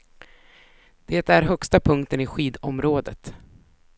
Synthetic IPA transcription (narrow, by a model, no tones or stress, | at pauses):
d̪̥eːt̪æɾɦœkst̪apʰɵŋk̚t̪ənɪɧiːd̪ɔmɾoːd̪ət̪